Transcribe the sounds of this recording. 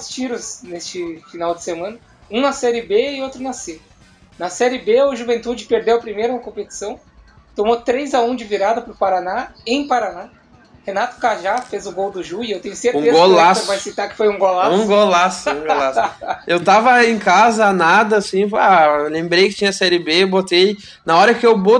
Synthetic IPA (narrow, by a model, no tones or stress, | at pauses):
ʊst͡ʃiɾʊsnest͡ʃɪfinawd͡ʒɪsemɐ̃nɐ | ũnɐsɛɾɪbeɪowt̪ɾʊnɐse | nɐsɛɾɪbeʊʒuvẽnt̪ud͡ʒɪpeɾd̪ewɐpɾimejɾʊnɐkõpet͡ʃi̥sɐ̃w̃ | t̪õmot̪ɾejzaũd͡ʒɪviɾad̪ɐpɾʊpaɾanaẽj̃paɾana | henat̪ʊ̥kaʒafezʊɡowd̪ʊʒujʊewt̪ẽjɲʊseɾtũezɡolasvajsit̪akɪ̥fojũɡolaũɡolasʊũɡolasewt̪avɐẽj̃kazɐanad̪ɐasĩalẽmbɾejkɪ̥t͡ʃĩɲɐsɛɾɪbebot̪ej | nɐɔɾɐkɪewbo